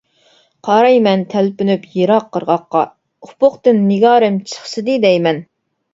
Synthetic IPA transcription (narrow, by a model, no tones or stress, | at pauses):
qʰɑɾɑjmɛnt̪ʰɛlpynypjeɾɑqʰːəɾʁɑqːɑ̰ | ʊpʰʊχt̪ɨnːɪɡɑːɾɪmt͡ʃʰə̥χsɨd̪ɨd̪ɛjmɛn